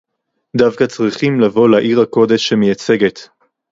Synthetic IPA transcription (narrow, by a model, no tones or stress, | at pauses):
davkat͡sʁiχimlavo̞laʔiʁhako̞d̪e̞ʃemejat͡se̞ɡet̪